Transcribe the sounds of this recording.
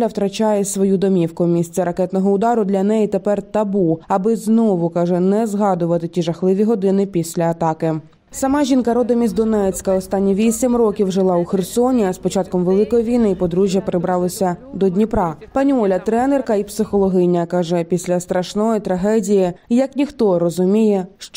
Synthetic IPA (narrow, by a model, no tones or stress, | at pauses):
lʲɐwt̪ɾɐt͡ʃajɛsʋɔjud̪ɔmʲiwkʊmʲisʲt͡sʲɐɾɐkɛt̪nɔɦɔʊd̪ɑɾʊd̪lʲɐnɛjit̪epɛrt̪ɐbuɐbɪznɔʋʊkɑʒɛnɛzɦɑd̪ʊʋɐt̪ɪtʲiʐɐxlˠɪʋʲiɦɔd̪ɪnɪpʲisʲlʲɐːt̪ɑkɪ | sɐmɑʒʲinkɐɾɔd̪ɐmʲizʲd̪ɔnɛt͡sʲkɐɔst̪ɑnʲːiʋʲisʲimrɔkʲiwʒɪlˠɑʊxersɔnʲiɐspɔt͡ʃɑt̪̚kɔmʋelˠɪkɔjiʋʲijnɪipɔd̪ɾuʒʲjɐpeɾɪbɾɑlˠɔsʲɐd̪ɔdʲnʲipɾɑpɐnʲɔlʲɐt̪ɾɛnerkɐipsɪxɔlˠɔɦɪjnʲɐkɑʒɛpʲisʲlʲɐst̪ɾɐʃnɔjit̪ɾɐɦɛdʲijɪjɐknʲixt̪ɔɾɔzʊmʲijɛʃt͡ʃ